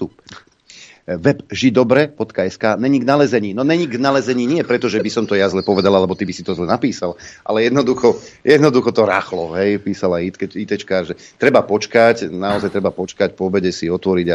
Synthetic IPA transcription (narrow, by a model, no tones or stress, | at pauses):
t̪up | ʋɛbʒid̪ɔbɾɛbɔt̪kaɛskaːnɛɲiɡnalɛzɛɲiːnɔnɛɲiɡnalɛzɛɲiːɲɪɛpɾɛt̪ɔʒɛbisɔmt̪ɔjazlɛpɔʋɛd̪alalɛbɔt̪ibisit̪ɔzlɛnapiːsalʔa̰lɛjɛd̪nɔd̪uxɔjɛd̪nɔd̪uxɔt̪ɔɾa̰ːxlɔɦɛjpiːsalait̪kɛit̪ɛt͡ʃkaːɾʒɛt̪ɾɛbapɔt͡ʃkacnaɔzajt̪ɾɛbapɔt͡ʃkacpɔɔbɛɟɛsiɔt̪ʋɔɾiɟa